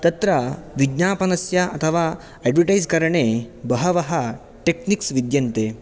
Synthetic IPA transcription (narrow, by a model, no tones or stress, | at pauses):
t̪ɐt̪ɾaʋid̪napɐnɐsjaɐt̪ʰəʋa | ɛɖʋəʈajd͡zkɐɾɳebɐɦɐʋɐɦa | ʈekniksʋid̪jɐnt̪e